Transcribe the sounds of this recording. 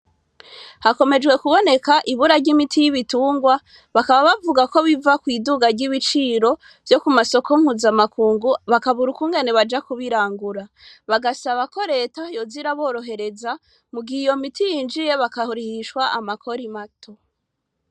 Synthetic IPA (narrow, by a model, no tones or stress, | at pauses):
hako̞me̞d͡ʒɡwe̞kuβo̞ne̞kaʔiβuɾaɾɟimitʰijiβituːŋɡwa | βakaβaβavuɡako̞βivakwiːduɡaɾɟiβit͡ʃiːɾo̞ | vjo̞kumaso̞kom̥huːzamakʰuːŋɡuβakaβuɾukuŋɡe̞neβad͡ʒakuβiɾaːŋɡuɾa | βaɡasaβako̞ɾe̞ːtajo̞ziɾaβo̞ːɾo̞ɦe̞ɾe̞za | muɡiijo̞mitʰijiːnd͡ʒije̞βakahuɾihiʃkwaʔamakʰo̞ɾimatʰo̞